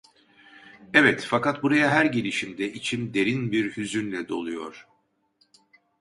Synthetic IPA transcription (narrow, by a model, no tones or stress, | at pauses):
ɛvɛt̪fakat̪̚buɾajaɦæɾɟe̞lʲiʃimd̪ɛit͡ʃʰimd̪e̞ɾinbiɾhyzynlʲɛd̪o̞̰lˠujo̞̰ɾ̥